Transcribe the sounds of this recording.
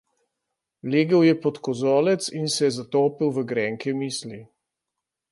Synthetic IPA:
leːɡəwjɛpɔt̪kɔzɔːlɛt̪sinsɛjɛzat̪oːpiwʋəɡɾɛːŋkɛmiːsli

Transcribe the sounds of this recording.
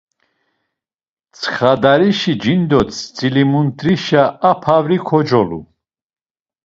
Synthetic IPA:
t͡sʰχad̪aɾiʃid͡ʒind̪ɔt̪ʰt͡sʼilimunt̪ɾiʃaapʰavɾikʰɔd͡ʒɔlṵ

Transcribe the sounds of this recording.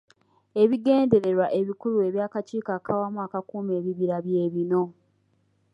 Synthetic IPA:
e̞βiɡe̞ːnde̞ɾe̞ɾwaʔe̞βikulue̞βjaːkaciːkakʰawamuakakuːme̞ːβiβiɾaβje̞ːβino̞

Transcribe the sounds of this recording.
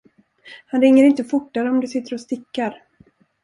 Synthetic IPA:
hanɾɪŋːəɾɪnt̪əfʊʈːaɾəɔmd̪ɵsɪt̪ːəɾɔst̪ɪkːaɾ

